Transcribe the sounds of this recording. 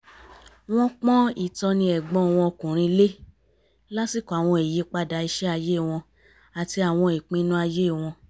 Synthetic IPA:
w̃ɔ̃˦k͡pɔ̃˦i˦˨tɔ˧nĩ˧ɛ˨ɡ͡bɔ̃˨˦˨w̃ɔ̃˧o˧kũ˨ɾ̃ĩ˧le˦ | la˦si˦˨kɔ˨a˨w̃ɔ̃˧e˨je˧˦k͡pa˧da˧i˧ʃɛ˦a˧je˦˨w̃ɔ̃˧ | a˨ti˧a˨w̃ɔ̃˧i˨k͡pĩ˧˦nũ˦a˧je˦˨w̃ɔ̃˧

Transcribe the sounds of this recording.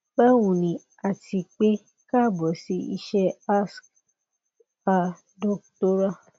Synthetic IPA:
bɛ˦wũ˨nĩ˨ | a˨tʰi˧k͡pe˦ | ka˦˨bɔ˨si˧ḭ˧ʃɛ˦a˦sk | a˨ | dɔ˦kto˦ɾa˦

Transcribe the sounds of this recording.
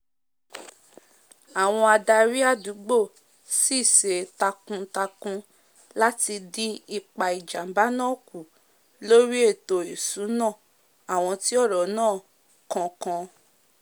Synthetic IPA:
a˨w̃ɔ̃˧a˧da˧ɾi˦a˦˨du˨˦ɡ͡bo˦˨ | si˦˨se˨ta˧kũ˧ta˧kũ˧ | la˦ti˧dĩ˦i˦˨k͡pa˨i˨d͡ʒa˨m̩˨˦ba˨˦nãː˦˨ku˨ | lo˦ɾi˦e˦˨to˨i˨su˨˦nã˦˨ | a˨w̃ɔ̃˧ti˦ɔ˦˨ɾɔ˨nãː˦˨ | kɔ̃˧kã˧

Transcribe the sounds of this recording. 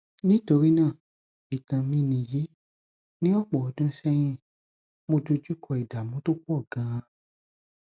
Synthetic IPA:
nĩ˦to˧ɾi˦nãː˦˨ | i˨tã˧mĩ˦˧nĩ˧˨ji˨˦ | nĩ˦ɔ˦˨k͡pɔ˨ɔ˨˧dũ˦sɛ˦j̃ĩ˦ | mo˧do˧d͡ʒu˦kʰɔ˧i˨da˨mũ˨˦to˦ku˦ɔ˦˨ɡã˨˦ã˧

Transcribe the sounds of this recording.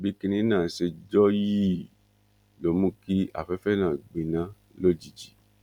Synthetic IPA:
bi˨˦ki˧nĩ˧˦nãː˦˨ʃe˧d͡ʒɔ˦ji˦ | lo˨˦mũ˦ki˦a̰˦˨fɛ˨˦fɛ˦˨nãː˦˨ɡ͡bĩ˨nã˦ | lo˦˨d͡ʒi˨d͡ʒi˨

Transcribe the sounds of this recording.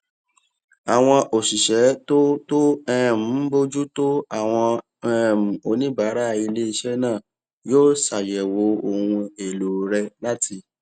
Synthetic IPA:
a˨w̃ɔ̃˧ʔo˨ʃi˨ʃɛ˨˦to˦to˦ɛ˦˨m̩˨˦bo˦d͡ʒu˦to˦a˦˨w̃ɔ̃˧ | ɛ˦˨m̩˨o˧nĩ˦ba˨˦ɾa˦˧i˧le˦i˧ʃɛ˦nãː˦˨ | joː˦sa˨jɛ˨wo˨˦o˧˨hũ˧e˨lo˨ɾɛ˧la˦tʰi˧

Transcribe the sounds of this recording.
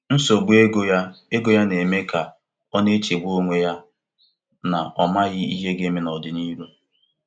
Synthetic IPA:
n̩˦so˨ɡ͡be˦ɡo˦ja˦e˦ɡo˨ja˦ne˨me˦ka˨ | ɔ˦ne˦t͡ʃe˨ɡʷo˦ŋʷe˦ja˦ | na˨ʔɔ˨ma˦ɣɪ˦ḭ˦ɦe˦ɡe˦me˦nɔ˨dɪ˨ni˦ɾu˦

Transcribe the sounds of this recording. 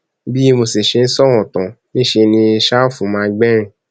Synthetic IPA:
bi˦˧mo˧si˨ʃe˧n̩˦sɔ˦w̃ɔ̃˨tɔ̃˨nĩ˦˨ʃe˧nĩ˧ʃa˦fũ˨˦mãː˧˦ɡ͡bɛ˦ɾ̃ĩ˧˨

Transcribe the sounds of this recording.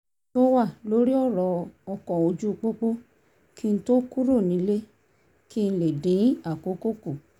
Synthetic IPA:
to˦wa˦˨lo˦ɾi˦ɔ˦˨ɾɔ˨˦ɔ˧kɔ˨o˧d͡ʒu˦˧k͡po˦k͡po˦ | kʰi˦n̩˦to˦ku˦ɾo˦˨nĩ˨˦le˦ | ki˦˧n̩˧le˨dĩ˨˦a˦˨ko˨˦ko˦ku˦˨

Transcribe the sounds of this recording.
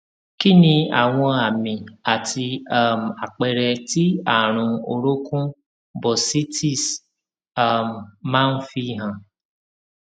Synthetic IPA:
ki˦nĩ˧a˨w̃ɔ̃˧a˨mĩ˨a˨tʰi˧a˨m̩˨a˨k͡pɛ˨ɾɛ˧ti˦a˦˨ɾ̃ũ˧o˨ɾo˦kũ˦ | bɔ˨si˦ti˦˨s | a˦˨m˨mã˦n̩˦fi˧ɦã˨

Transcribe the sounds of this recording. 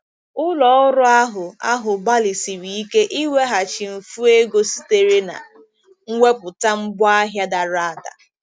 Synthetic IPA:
ʊ˦lɔ˨˦ʊ˦ɾʊ˦a˦ɦʊ˨a˦ɦʊ˨ba˦li˨si˨ɾi˨i˦ke˦ʔi˦we˦ɦa˨t͡ʃi˨m̩˨fu˦e˦ɡo˦si˦te˨ɾe˦na̰˨ | ŋ̩˦ŋʷe˦pʊ˨ta˦m̩˦bɔ˦a˦ɦja˦da˨ɾa˦˨da̰˨

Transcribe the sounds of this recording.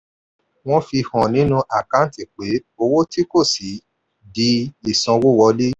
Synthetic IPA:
w̃ɔ̃˦fi˧hɔ̃˨nĩ˨˦nũ˧˦ʔa˨kã˨˦ti˦˨k͡pe˨˦o˧wo˦ti˦ko˦˨si˨˦ | di˦i˨sɔ̃˧wo˦˨wɔ˧le˦

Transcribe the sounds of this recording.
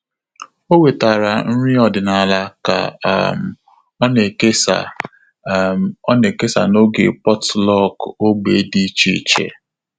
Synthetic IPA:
o˦we˨ta˨ɾa˨n̩˦ɾi˦ɔ˨dɪ˨na˨la˦ka̰˨m̩˨˦ | ne˨ke˦sa̰˨ | ɔ˦ne˨ke˦sa̰˨no˦ɡe˨pɔ˦tlɔ˦˨ko˦ɡ͡be˨˦di˦t͡ʃi˦˨t͡ʃḛ˨

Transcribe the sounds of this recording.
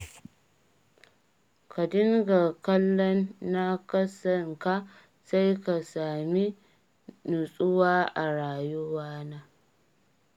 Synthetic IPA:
ka˨dɪ˦ŋɡa˨kɐ˦lːɔ˦nːa˦kɐ˦sɐ˨ŋka˦ | sa˦jka˨saː˨mi˦ | nu˨sʼʊ˦waː˦ʔa˨ɽaː˨jʊ˦waː˦naː˦

